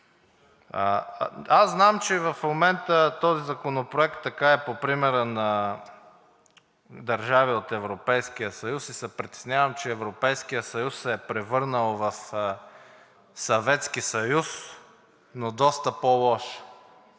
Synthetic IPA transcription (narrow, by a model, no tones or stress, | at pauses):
əazznamt͡ʃɛvɐfmomɛnt̪ət̪ɔzizɐkonopɾoɛkt̪ːɐkaɛpopɾimɛɾənɐ | d̪ɐɾʒaviot̪ɛvɾopɛjskijəsɐjusisɛpɾit̪ɛ̥snʲavəmt͡ʃɛːvɾopɛjskijəsɐjusːɛːpɾɛvɤɾnəlˠvɐf | sɐvɛt̪skisɐjus | nod̪ɔst̪əpolˠɔʃ